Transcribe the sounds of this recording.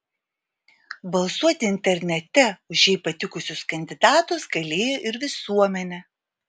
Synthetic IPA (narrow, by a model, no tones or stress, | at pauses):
bɐlˠsuɔt̪ʲɪɪnʲt̪ʲɛɾʲnʲɛt̪ʲɛʊʃʲjɛɪpɐt̪ʲɪkʊsʲʊskɐnʲd̪ʲɪd̪ɑːt̪ʊsɡɐlʲeːjoːʔɪɾʋʲɪsuɔmʲɛnʲɛ